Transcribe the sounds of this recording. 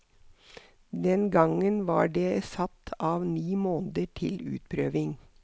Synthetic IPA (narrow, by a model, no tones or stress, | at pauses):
d̪ɛnɡɑŋənʋɑ̰ːɖeːsɑt̪ʰɑːʋniːmoːnd̪əʈʰɪlʉ̰ːt̪̚pʰɾøːʋɪŋ